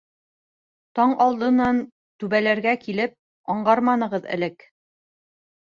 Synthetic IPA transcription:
t̪ɑɴʔɑlˠd̪ɤ̆nɑn | t̪ʉβælæɾɡækilɘp̚ | ɑɴɢɑɾmɑnɤ̆ʁɤðɘ̰̆lɘk

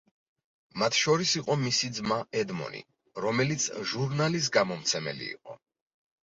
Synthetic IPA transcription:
mat̪ʰʃɔɾisiqʼɔmisid̪zmaɛd̪mɔ̰nḭ | ɾɔmɛlit̪sʰʒuɾnalis̬ɡamɔmt̪sʰɛmɛ̰lḭːqʼɔ̰

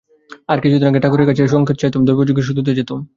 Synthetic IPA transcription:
aɾkit͡ɕʰud̪inak̬eʈakuɾeɾkat͡ɕʰeʃ̬ɔŋkʰet̪t͡ɕajt̪omd̪oɾbod͡ʑuɡʱeɾʃ̬ud̪ʱud̪ed͡ʑajt̪om

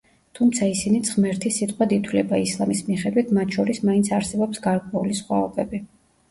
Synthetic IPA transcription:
t̪ʰumt̪sʰaisinit̪sʼχmɛɾt̪ʰisit̪ʼqʼwɛd̪it̪ʰwlɛbaislˠamismiχɛd̪wit̪ʰmat̪ʰʃɔɾismaint̪sʰaɾsɛbɔpsɡaɾkʼwɛulisχwa̰ɔbɛbi

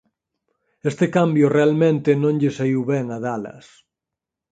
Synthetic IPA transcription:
est̪ekambjʊrealmẽnt̪ɪnõŋʎɪsaiwβɛŋaðalɐ̰s

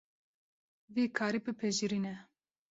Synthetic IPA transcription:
viːkʰaːɾipɨpʰɛʒiɾinɛ

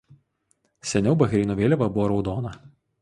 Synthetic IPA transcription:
sʲɛnʲɛʊbɐɣʲɾʲɪːnoʋʲeːlʲɛʋɐbʊʋoːɾɒʊd̪oːnɐ

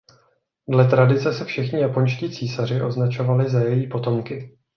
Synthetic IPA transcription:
dlɛt̪ɾadɪt͡sɛsɛfʃɪxɲɪjapo̞ɲʃciːt͡siːsar̝ɪʔo̞znat͡ʃo̞valɪzajɛjiːpo̞t̪o̞mkɪ

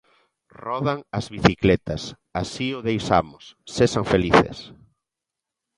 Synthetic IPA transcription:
rɔðaŋɐzβiθiklet̪ɐs | a̰siʊðejsa̰mʊsːeʃaŋfeliθḛs

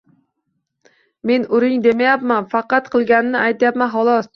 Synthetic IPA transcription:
me̞nʊɾɪŋd̪e̞majapmanfɑqɑt̪qʰɨlˠɡʲanɪnɪʔajt̪ʰjapmanɦɒlˠɒs

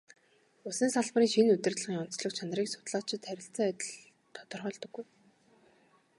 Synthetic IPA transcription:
ʊsɘ̆nsaɮpriːŋʃinɵt̪ɘ̆rt̪ɮ̆iːŋʊn̥t͡sɮɞ̆kt͡ɕʰan̆riːksʊ̥t̪ɮaːt͡ɕɪ̆t̪ʰːæɾʲɪ̆ɬt͡sə̆ŋæt̪ʲɪ̆ɮ | t̪ʰːɔ̥t̪ɞ̆rχœːɮt̪ɞ̆ɡːuj

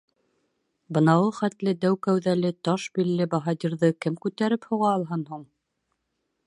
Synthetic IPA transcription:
bɤ̆nɑwɤχæt̪lɘd̪æwkæwðælɘt̪ɑʃbilːɘbɑɦɑd̪iɾðɤkɘmkʉt̪æɾɘphŭʁɑːlˠɦɤnɦuɴ

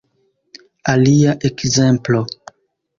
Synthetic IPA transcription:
aliaʔekze̞mplo̞

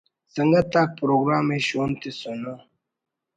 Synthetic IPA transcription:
sɐŋɡat̪aːk̚pɾoːɡɾaːmeɕoːnt̪isuna

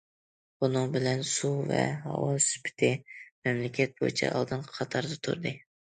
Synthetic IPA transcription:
bunɨŋbɪlɛnsuvɛ̰hɑ̰wɑspʰɪ̥t̪ʰɪmɛmlɪkʲʰɛt̪̚bojit͡ʃʰɛ̰ʔɑ̰lˠd̪ɨnqʰɑt̪ʰɑɾd̪ɨt̪ʰṵɾd̪ɨ

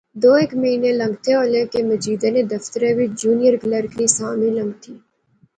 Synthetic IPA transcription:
d̪oːekməɦiːneləŋɡ̚t̪ʰeoːlẽkeməd͡ʒiːd̪əned̪əft̪əɾeːʋɪt͡ʃd͡ʒuːnijəɾɡləɾkɾiːsaːmĩlə̃ŋɡt̪ʰiː

